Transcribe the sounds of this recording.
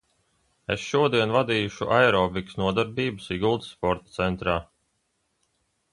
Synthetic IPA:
ḛsʃuɔd̪iɛnvad̪iːjuʃuʔaɛɾɔːviksnuɔd̪aɾbiːbɨsiɡulˠt̪spɔɾt̪ḁt̪sɛnt̪ɾaː

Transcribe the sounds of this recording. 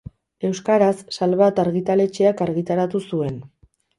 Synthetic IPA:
e̞wskaɾasːalβat̪aɾɣit̪ale̞t͡ʃe̞akaɾɣit̪aɾat̪usue̞n

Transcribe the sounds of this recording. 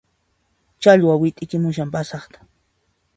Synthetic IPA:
t͡ʃaʎwawɪt̪ʼɪkɪmʊʃampasɑχt̪ḁ

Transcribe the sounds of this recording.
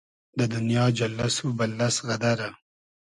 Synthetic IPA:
d̪əd̪ʊnijɑd͡ʒalːasubalːasɣad̪aɾa

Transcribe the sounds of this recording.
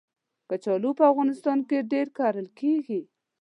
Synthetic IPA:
kət͡ʃɑlupəafɣɑnɪst̪ɑnkeɖeɾkaɾəlkeɡi

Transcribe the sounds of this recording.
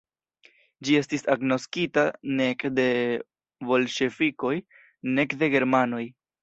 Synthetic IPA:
d͡ʒie̞stisaɡno̞skitanekde̞ | vo̞lʃe̞fiko̞j | ne̞kde̞ɡe̞ɾmano̞j

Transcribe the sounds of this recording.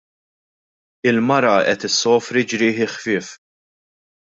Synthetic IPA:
ɪlmɐɾɐɛ̰t̪ɪsːɔːfɾid͡ʒɾɪːħɪxfɪːf

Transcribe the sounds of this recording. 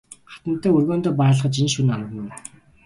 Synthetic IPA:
ɢḁt̪ə̆n̥t̪ːæːɵrɣoːnt̪oːp̬æːɮə̆χə̆t͡ɕinʃunamt̪ə̆n̆n

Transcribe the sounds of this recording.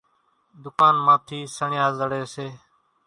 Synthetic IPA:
d̪ʊkaːnmãːt̪ʰiːsəɳɪjaːzəɽeːseː

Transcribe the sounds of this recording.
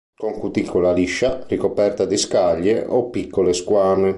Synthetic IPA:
koŋkut̪ikʰːolaliʃːarikopɛrt̪ad̪iskaʎːeʔopːikʰːoleskwaːne

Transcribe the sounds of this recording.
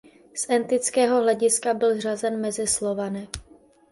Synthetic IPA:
sʔɛnt̪ɪt͡skɛːɦo̞ɦlɛɟɪskabɪlr̝azɛnmɛzɪslo̞vanɛ

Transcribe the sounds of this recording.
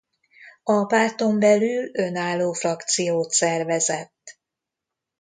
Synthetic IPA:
ɒpaːt̪o̞mbɛlylø̞naːlːoːfrɒkt̪sijoːt̪sɛrvɛzɛt̪ː

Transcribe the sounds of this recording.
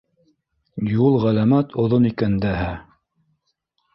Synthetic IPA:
julˠʁælæmæt̪ʰŏðonikænd̪æɦæ

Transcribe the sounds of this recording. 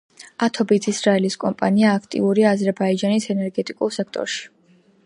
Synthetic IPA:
at̪ʰɔbit̪ʰisɾaɛliskʼɔmpʼa̰niaːkʰt̪ʼḭuɾiaːzɛɾbaid͡ʒanisɛnɛɾɡɛt̪ʼikʼulˠsɛk̚ʰt̪ʼɔ̰ɾʃi̥

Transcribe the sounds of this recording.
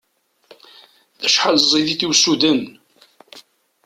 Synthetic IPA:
θæʃħalzˤiðiθiwsud̪ən

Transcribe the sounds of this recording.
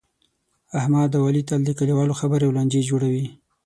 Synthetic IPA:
ahmɑd̪awɑlit̪ald̪əkaliwɑloxabəɾjawland͡ʒed͡ʒoɽawi

